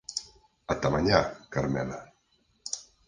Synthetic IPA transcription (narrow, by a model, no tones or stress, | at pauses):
at̪amaɲakaɾmɛla